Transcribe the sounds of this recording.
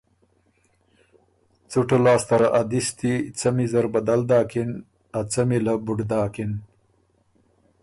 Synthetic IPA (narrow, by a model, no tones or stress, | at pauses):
t͡suʈolaːst̪ɐɾaʔad̪ist̪it͡sɐmizɐɾbɐd̪ald̪aːkin | at͡sɐmilɐbuɖd̪aːkin